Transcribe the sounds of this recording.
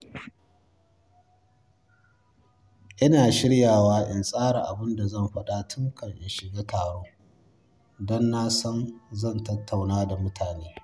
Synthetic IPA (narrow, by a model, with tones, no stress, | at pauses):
ʔɪ˦naː˨ʃɪ˦ɽjaː˨waː˦ʔɪ˨nsʼaː˦ɽa˨ʔa˨bʊ˦nda˨zɐ˦˨mɸɐ˦ɗa˦tʰʊ˦ŋkʰɐ˨ŋʔɪ˨nʃɪ˨ɡaː˦tʰaː˨ɽoː˦ | dɔ˦nːa˦sɔ˦nzɐ˦˨ntɐ˦tʰːa˨wnaː˦da˨mʊ˦tʰaː˨neː˦